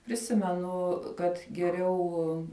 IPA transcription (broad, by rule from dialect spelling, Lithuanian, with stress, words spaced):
pʲrʲɪˈsʲɪmʲɛnʊ kɐt ɡʲɛˈrʲɛʊ